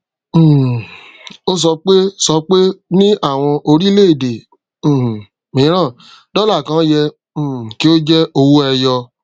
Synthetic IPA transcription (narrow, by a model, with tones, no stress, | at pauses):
o˦s̬ɔ˧k͡pe˦sɔ˧k͡pe˦nĩ˦ʔa˦˨w̃ɔ̃˧ʔo˧ɾi˦le˦i˦˨dẽ˨ | mĩ˨˦ɾ̃ã˦˨ | d̥ɔ˦la˦˨kã˨˦jɛ̃˧˨ | ki˦o˦d͡ʒɛ˦o˧wo˦ɛ˧jɔ˧